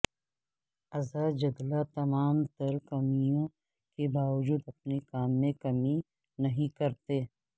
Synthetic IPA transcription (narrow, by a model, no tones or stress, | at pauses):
ɐzaːd͡ʒɐd̪lat̪ɐmaːmt̪ɐɾkɐmijõ | kebaːʋəd͡ʒuːd̪ɐp̚nekaːmːẽkɐmi | nɐɦĩkɐɾt̪eː